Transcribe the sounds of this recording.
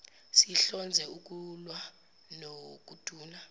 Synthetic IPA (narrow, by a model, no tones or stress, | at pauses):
siɬɔnd͡zʱɛuk̬ʼulwa | nok̬ud̥ʱuːna